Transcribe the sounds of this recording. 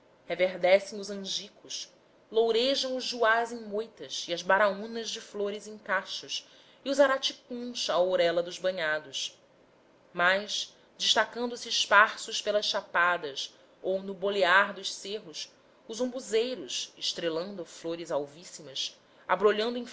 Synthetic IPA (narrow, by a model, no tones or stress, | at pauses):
heveɦd̪ɛsẽj̃ʊzɐ̃ʒikʊʃ | lowɾeʒɐ̃w̃ʊzːuazẽj̃mojt̪ɐsiɐzbaɾaũnɐzd͡ʒɪfloɾɪzẽŋkaʃus | iʊzaɾat͡ʃikũsaoɾɛlɐd̪ʊzbɐ̃ɲad̪ʊs | majʃ | d͡ʒɪʃt̪akɐ̃nd̪ʊsiːʃpaɾsʊʃpelɐsʃapad̪ɐs | ownʊboleaɾd̪ʊʃseɦʊs | ʊzõmbuzejɾʊsɪʃt̪ɾelɐ̃nd̪ʊfloɾɪzawvisimɐs | a̰bɾoʎɐ̃nd̪ʊẽ